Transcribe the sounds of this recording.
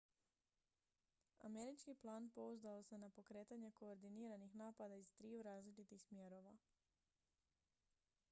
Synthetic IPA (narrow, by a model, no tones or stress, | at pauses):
a̰meɾit͡ʃkiplaːnpo̞uzd̪aose̞napo̞kɾe̞ːt̪aɲe̞ko̞ːɾd̪iniːɾanixnaːpad̪aizt̪ɾiuɾaːzlit͡ʃit̪ixsmjeɾo̞ʋa